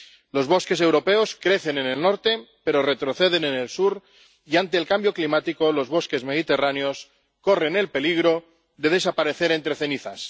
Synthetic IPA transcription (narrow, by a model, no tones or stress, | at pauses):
lo̞zβ̞o̞ske̞s̬e̞wɾo̞peo̞skɾe̞θe̞nene̞lno̞ɾt̪e̞pe̞ɾo̞re̞t̪ɾo̞θe̞ðe̞nenelsuɾ | iant̪e̞ːlkambjo̞klimat̪iko̞lo̞zβ̞o̞ske̞zme̞ð̞it̪e̞ranjo̞s | ko̞re̞ne̞lpe̞liɣ̞ɾo̞ | ðe̞ð̞e̞sapaɾe̞θe̞ɾe̞nt̪ɾe̞θe̞niθas